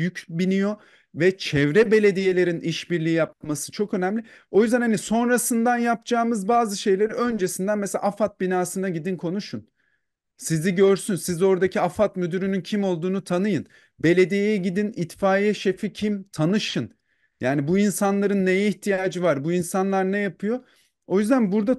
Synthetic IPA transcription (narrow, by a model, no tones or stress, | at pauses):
jycbinijo̞ | vɛt͡ʃʰɛvɾɛbe̞lʲe̞d̪ije̞lʲe̞ɾiniʃbiɾlʲijijap̚masɯ̥t͡ʃʰo̞kø̞næmlʲɪo̞jyzd̪ænhaniso̞nɾasɯnd̪anjap̚d͡ʒaːmɯzbaːzɯʃe̞jlʲe̞ɾiø̞nd͡ʒe̞sind̪ænmeselʲaʔafat̪̚binaːsɯnd̪aɟid̪inkʰo̞nuʃun | siziɟø̞ɾsynsizo̞ɾd̪acʰiafat̪myd̪yɾynyncʰimo̞lˠd̪uːnut̪ʰanɯjɯn | be̞lʲe̞d̪ijejɛɟid̪init̪faːjɛʃe̞ficʰimt̪ʰanɯʃɯn | jaːnibuinsanlˠaɾɯnːejɛiçt̪ʰijaːd͡ʒɯvaɾbuinsanlˠaɾnɛjapʰɯjo̞ | o̞jyzd̪ænbuɾd̪a